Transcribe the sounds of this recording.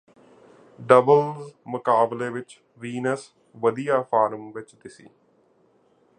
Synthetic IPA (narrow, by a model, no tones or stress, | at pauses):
ɖəbəlzmʊkaːbleːʋɪt͡ʃ | ʋiːnəs | ʋəd̪ijaːpʰaːɾmʋɪt͡ʃd̪ɪsḭː